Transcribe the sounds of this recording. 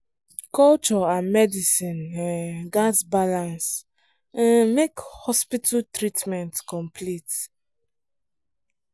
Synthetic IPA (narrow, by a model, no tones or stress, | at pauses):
kɔlt͡ʃɔãmɛdisĩnãnɡasbalãns | ãnmekhɔspitʰatɹitmɛ̃ntkɔ̃mpʰlit